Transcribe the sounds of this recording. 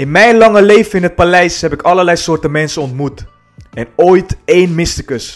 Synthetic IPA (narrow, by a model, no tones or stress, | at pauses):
ɪnmɛjnlɑŋəlejvəɪnɦət̚palɛjsɦɛpɪkɑləɹlɛjsʊːɹtəmɛnsənɔntmut | ɛnoːjtejnmɪstəkəs